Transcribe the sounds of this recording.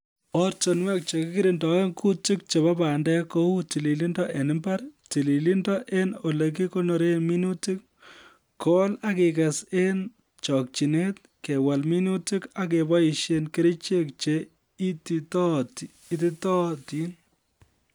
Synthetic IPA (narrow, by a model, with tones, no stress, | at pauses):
ɔ˦ɾt͡ʃɔ˨nwɛ˦k̚t͡ʃe˨kɪ˦kɪ˦ɾi˨ndɔ˨e˦ŋku˦tɪ˦k̚t͡ʃe˨βa˦pa˨ndɛ˦ko˦u˦ti˨li˨li˦ndɔ˦ʔe˨nɪ˦mba˦ɾti˨li˨li˦ndɔ˦ʔe˦no˨le˨k̬i˦ko˦no˨ɾe˦nmi˦nu˦ti˦k̚ | kɔ˦la˦ke˨kɐ˨se˦n | t͡ʃɔ˨k̚t͡ʃi˨ne˦t̚ | ke˨wa˨lmi˦nu˦tɪ˦ka˦k̬e˨bɔ˦i˨ʃe˦nke˦ɾɪ˦t͡ʃe˦k̚t͡ʃe˨˦ | i˦ti˦tɔ˦t | iti˦tɔ˦ti˦n